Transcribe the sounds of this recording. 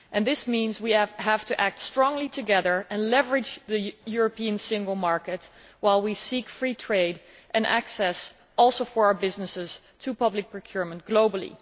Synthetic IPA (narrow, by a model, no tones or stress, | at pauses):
ʔɨ̃nðɪsmĩnzwiæv̥tʰɨʔæk̚tstɹ̥ɔ̃ŋlitʰɨɡɛðə˞ɨ̃nlɛvə˞ɨd͡ʒðɨjʊɹəpĩɨ̃nsɪ̃ŋɡl̩ˠmɑɹkɨt̚ | waɪlˠwisikfɹitʰɹ̥eɪɾ | ʔɨ̃nʔæ̰ksɛs | ʔɔlˠsoʊfə˞aʊə˞bɪznɨsɪz̥ | tʰɨpʌblɨk̚pʰɹ̥əkʰj̥ʊɹmə̃nt̚ɡ̥loʊbl̩ˠḭ